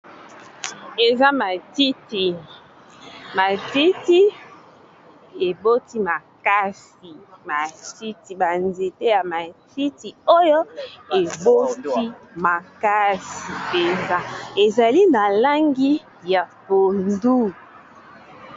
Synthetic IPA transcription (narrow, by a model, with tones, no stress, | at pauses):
e˨za˦ma˨ti˦ti˨ | ma˨ti˦ti˦ | e˨bo˦ti˦ma˨ka˦s | i˨ma˨ti˦ti˨ba˨nze˨te˦ja˨ma˨ti˦ti˨o˦jo˦e˨bo˦ti˦ma˨ka˦si˨pe˨nza˦e˨za˨li˦na˨la˦ŋɡi˦ | ja˨po˨ndu˦